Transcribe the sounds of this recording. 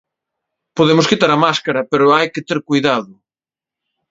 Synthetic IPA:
poðemʊskit̪aɾɐmaskaɾɐpeɾʊajkɪt̪eɾkujðaðʊ

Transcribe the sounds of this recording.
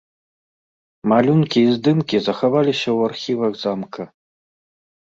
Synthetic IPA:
malʲunkʲʰiːzd̪ɨmkʲizaxavalʲiɕɐwarxʲivɐɡzamkʰɐ

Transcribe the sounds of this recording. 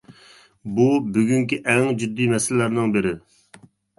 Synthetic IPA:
bubyɡʲyŋkʲiʔɛŋd͡ʒyd̪ːijmɛsɪlɪlːæɾnɪŋbɪɾɪ

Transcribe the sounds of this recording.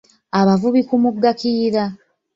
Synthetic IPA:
aβavuβikumuɡːakiːɾa

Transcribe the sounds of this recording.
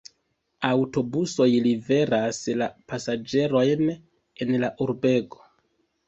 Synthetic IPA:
awto̞buso̞jlive̞ɾaslapasad͡ʒe̞ɾo̞jn | e̞nlaʔuɾbe̞ɡo̞̥

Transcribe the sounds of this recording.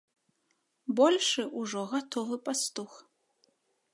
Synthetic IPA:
bɔlʲʂɨʔuʐɔɣat̪ʰɔvɨpʼast̪ux

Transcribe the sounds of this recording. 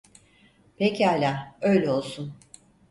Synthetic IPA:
pʰecʰialʲaːøjlʲɛo̞lˠsun

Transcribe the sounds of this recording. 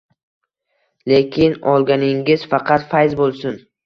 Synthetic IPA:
lekʲɪnɒlˠɡʲanɪŋɪzfɑqʰɑt̪fajzbolˠsʊn

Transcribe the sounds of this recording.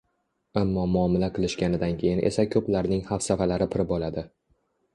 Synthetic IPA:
amːɒmʊɒmɪlaqʰɨlˠɪʃkʲanɪd̪ankʲʰe̞jɪnʔe̞̰sakʲʰɵplaɾnɪŋhafsafalaɾɪpʰɪɾɪbɒlad̪ɪ

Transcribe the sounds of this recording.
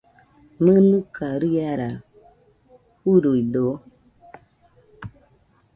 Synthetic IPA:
mɨnukʰaɾijaɾa | huɾoido

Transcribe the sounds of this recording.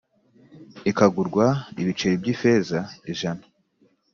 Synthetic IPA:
ikaɡuɾɡwaiβit͡ʃe̞ɾibɟife̞zaiʒanḁ

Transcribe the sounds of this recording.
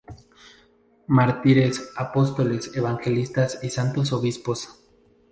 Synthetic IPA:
maɾt̪iɾesapo̞st̪o̞leseβaŋxe̞list̪asisant̪os̬oβispo̞s

